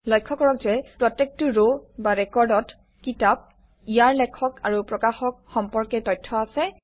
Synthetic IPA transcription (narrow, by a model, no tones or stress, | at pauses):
lɔjkʰːɔkɔɹɔkzɛpɹɔtːek̚tuɹobaɹɛkɔɹdɔt | kitap̚ | ijaɹlɛkʰɔkaɹupɹɔkaxɔk̚xɔmpɔɹkɛtɔjtʰːɔasɛ